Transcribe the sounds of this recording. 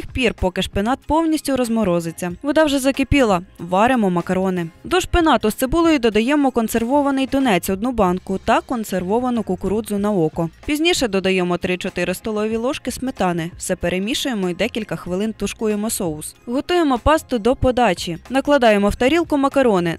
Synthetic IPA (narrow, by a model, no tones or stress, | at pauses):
xpʲirpɔkɪʃpenɑt̪̚pɔwnʲisʲtʲʊɾɔzmɔɾɔzɪt͡sʲːɐʋɔd̪ɑwʒɛzɐkepʲilˠɐʋɑɾemɔmɐkɐɾɔnɪd̪ɔʃpenɑt̪ʊst̪sebulˠɔjid̪ɔd̪ɐjɛmɔkɔnse̞rʋɔʋɐnɪjt̪ʊnɛt͡sʲɔd̪̚nʊbɑnkʊt̪ɐkɔnserʋɔʋɐnʊkʊkʊɾud̪zʊnɐɔkɔpʲizʲnʲiʃɛd̪ɔd̪ɐjɛmɔt̪ɾɪt͡ʃɔt̪ɪɾɪst̪ɔlˠɔʋʲilˠɔʃkɪsmɪt̪ɑnɪwsɛpeɾʔemʲiʃʊjemɔid̪ɛkʲilʲkɐxʋɪlˠɪnt̪ʊʃkujemɔsɔʊsɦɔt̪ujemɔpɑst̪ʊd̪ɔpɔd̪ɑt͡ʃʲinɐklˠɐd̪ɑjemɔwt̪ɐɾʲilˠkʊmɐkɐɾɔnɪ